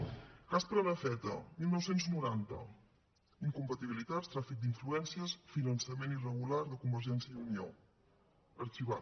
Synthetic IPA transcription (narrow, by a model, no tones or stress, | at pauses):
aspɾələfɛt̪ə̰milˠnɔwsenznuɾant̪ə̰ | iŋkumpət̪iβilit̪at̪st̪ɾafik̚d̪iɱfluɛnsiəsfinənsəmenirəɣulaɾðəkumbəɾʒɛnsjəiunio̰ | əɾt͡ʃiβa